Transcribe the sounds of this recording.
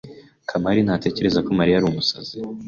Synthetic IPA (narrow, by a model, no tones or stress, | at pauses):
kʰamaɾin̥haːte̞ːce̞ɾe̞zako̞maɾijaɾumusazi